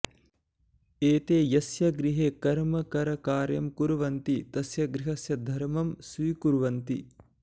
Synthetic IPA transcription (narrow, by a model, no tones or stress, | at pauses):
eːt̪eːjɐsjɐɡɾiɦeːkɐɾmɐkɐɾɐkaːɾjɐmkuɾuʋɐnt̪it̪ɐsjɐɡɾiɦɐsjɐd̪ʱɐɾmɐmsʋiːkuɾʋɐnt̪ḭ